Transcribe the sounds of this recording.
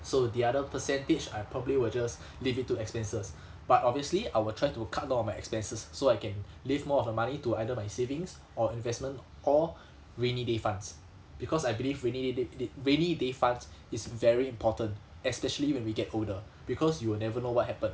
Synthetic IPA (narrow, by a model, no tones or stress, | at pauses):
sodiadəpəsɛ̃ntet͡ʃajpʰɹɔbəbliwild͡ʒas | livit̚tːuɛkspɛ̃nsəs | b̥atɔbviəsliajwɪltʰɹajtukʰat̚dãɔ̃majɛkspɛ̃nsəsːoajkɛ̃n | livmɔɔfdəmanituajdəmajsevĩŋs | ɔĩnvɛsmə̃nt | ɔ | ɹẽnidefãns | b̥ikʰɔsajbilivɹẽnidededɹẽnidefãndsisvɛɹiĩmpʰɔtə̃nt | ɛspɛʃəliwɛ̃nwiɡɛtoldə | b̥ikʰɔsjuwɪlnɛvənowɔt̚hɛpə̃n